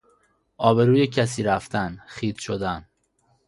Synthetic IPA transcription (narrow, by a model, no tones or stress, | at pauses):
ʔɒːbe̞ɾuːjecʰæs̬iːɾæft̪ʰænxiːt̪ʃod̪æn